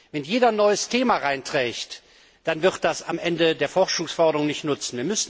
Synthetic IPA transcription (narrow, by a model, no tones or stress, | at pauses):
vɛnjeːdɐnɔʏəstʰeːmaʁaɪntʁ̥ɛːçt | d̥anvɪʁt̚d̥asamʔɛndədeːɐfɔʁʃʊŋsfɔɐdəʁʊŋnɪçtnʊt͡sn̩viːɐmʏsn̩